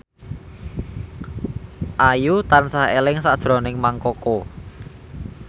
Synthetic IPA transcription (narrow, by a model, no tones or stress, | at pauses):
ʔajut̪ansahḛlɪŋsad̥ʒ̥ɾɔ̤nɪŋmaŋkɔko